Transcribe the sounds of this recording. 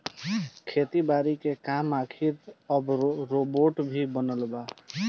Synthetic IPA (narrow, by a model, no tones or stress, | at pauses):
kʰet̪ibaɾikekamakʰiɾəbɾoboʈbʱibənəlba